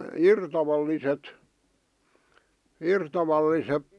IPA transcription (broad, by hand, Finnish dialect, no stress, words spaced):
irtɑʋɑlːiset irtɑʋɑlːisep